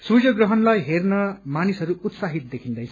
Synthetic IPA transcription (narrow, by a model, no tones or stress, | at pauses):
sujʌɡrʌɦʌnlajɦernʌmanisɦʌɾuut̪saɦit̪̚d̪ekʰind̪ʌj